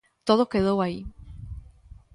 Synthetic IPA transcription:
t̪oðokeðowai

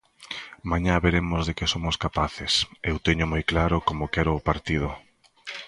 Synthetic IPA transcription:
maɲaβeɾemʊzðekɪsomʊskapaθɪsewt̪eɲʊmojklaɾʊkomokɛɾʊːpaɾt̪ið̞ʊ

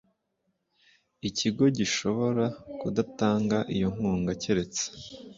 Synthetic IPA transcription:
iciɡo̞ɟiʃo̞βo̞ɾakudataːŋɡaʔijo̞ŋ̥uːŋɡaceɾe̞t͡se̥

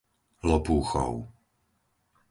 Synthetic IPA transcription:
lɔpuːxɔ̰ʊ

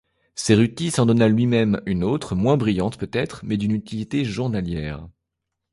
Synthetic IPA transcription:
seʁyt̪isɑ̃d̪ɔnalɥimɛmynot̪χmwɛ̃bʁijɑ̃t̪pøt̪ɛt̪χmɛd̪ynyt̪ilit̪eʒuʁnaljɛːʁ

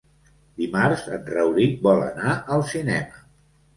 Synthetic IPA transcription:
d̪imaɾzə̰nrəwɾibɔlə̰naʔəlˠsinɛmə

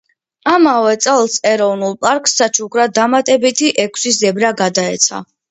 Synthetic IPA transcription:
amavɛt̪sʼɛlˠsɛɾɔvnulˠpʼaɾkʼsːat͡ʃʰukʰɾad̪amat̪ʼɛbit̪ʰiʔɛkʷʰsis̬zɛbɾaɡad̪aɛ̰t̪sʰa̰

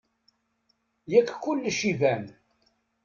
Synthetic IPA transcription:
jækkːʊlːʃivæn

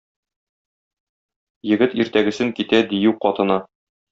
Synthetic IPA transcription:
jɘ̆ɡɘt̪iɾt̪æɡɘ̆sɘŋkit̪æd̪ijuwqɒt̪ɤ̆nɑ

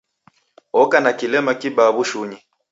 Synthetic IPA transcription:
ɔkanakilɛmakibaβuʃuɲi

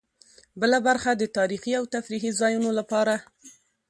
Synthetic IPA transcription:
bəlabaɾxad̪ət̪ɑɾixiawt̪afɾiɦizɑjunolapɑɾa

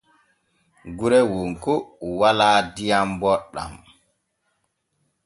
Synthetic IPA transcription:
ɡuɾɛwoŋkuwalaːdijambɔɗːa̰m

